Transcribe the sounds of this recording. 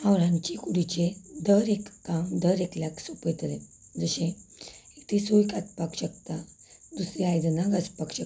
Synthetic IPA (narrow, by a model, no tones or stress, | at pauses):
aʋɾãɲt͡ɕikuɽit͡ɕed̪əɾekːamd̪əɾekljaksupəjt̪lẽ | d͡zəɕẽekt̪ʰesojkat̪pakɕək̚t̪ad̪usɾiajd̪naɡaspakɕək